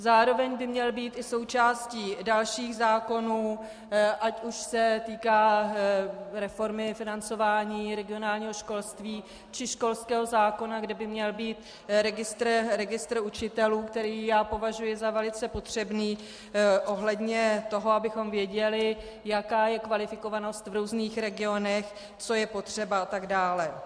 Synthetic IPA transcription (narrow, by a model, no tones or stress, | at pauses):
zaːɾo̞vɛɲbɪmɲɛlbiːt̪ɪso̞wt͡ʃaːsciːdalʃiːxzaːko̞nuː | ʔacuʃsɛt̪iːkaː | ɾɛfo̞ɾmɪfɪnant͡so̞vaːɲiːɾɛɡɪonaːlɲiːɦoʃko̞lst̪viː | t͡ʃɪʃko̞lskɛːɦo̞zaːko̞naɡdɛbɪmɲɛlbiːt̪ | ɾɛɡɪst̪ɾɾɛɡɪst̪ɾut͡ʃɪt̪ɛluːkt̪ɛɾiːjaːpo̞vaʒujɪzavɛlɪt͡sɛpo̞t̪r̝̥ɛbniː | ʔo̞ɦlɛdɲɛt̪o̞ɦoabɪxo̞mvjɛɟɛlɪ | jakaːjɛkvalɪfɪko̞vano̞st̪vɾuːzniːxɾɛɡɪo̞nɛx | t͡so̞jɛpo̞t̪r̝̥ɛbaat̪aɡdaːlɛ